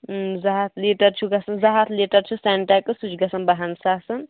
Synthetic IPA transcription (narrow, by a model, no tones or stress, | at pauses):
zɐɦɐt̪ʰliːʈɐɾt͡ʃʰuɡɐsɐnzɐɦɐt̪ʰleːʈɐɾt͡ʃʰusaɳʈakɨsut͡ʃʰɡɐsɐnbɐɦɐnsaːsɐn